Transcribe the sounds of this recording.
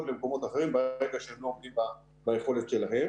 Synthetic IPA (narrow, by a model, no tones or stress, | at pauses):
tlemko̞mo̞t̪aχeʁimbaeɡaʃeemlo̞ːmd̪imba | baeχo̞letʃelaɦem